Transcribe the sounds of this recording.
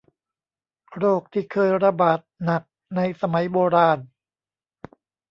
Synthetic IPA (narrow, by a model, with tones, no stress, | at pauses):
ɾoː˥˩k̚t̪ʰiː˥˩kʰɤː˧jɾa˧baː˨˩t̪̚na˨˩k̚ | na˧jsa˧ma˩˦jboː˧ɾaː˧n